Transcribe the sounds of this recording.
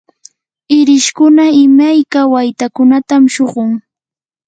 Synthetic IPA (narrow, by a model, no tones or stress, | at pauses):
ɪɾɪʃkʊnaɪmajkawajt̪akʊnat̪amʃoɢʊŋ